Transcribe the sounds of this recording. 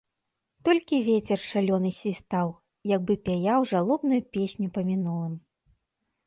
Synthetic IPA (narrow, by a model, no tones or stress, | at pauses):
t̪ɔlʲkʲivʲet͡sʲɛrʂalʲɔnɨsʲvʲist̪aw | jaɡ̚bɨpʲajawʐalˠɔbnujupʲesʲnʲupɐmʲinulˠɨm